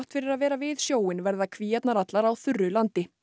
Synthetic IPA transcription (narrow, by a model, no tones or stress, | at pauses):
ht̪fɪɾɪɾaðvɛːɾavɪðsjoːwɪnvɛɾðakʰviːɛt̪naɾat̪laɾawθʏrːʏlant̪ɪ